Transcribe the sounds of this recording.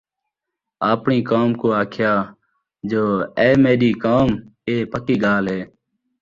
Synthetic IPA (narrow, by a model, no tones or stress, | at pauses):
aːpɳiːkaːmkoːaːkʰjaː | d͡ʒoːeːmeːɗiːkaːmeːpəkiːɠaːlɦeː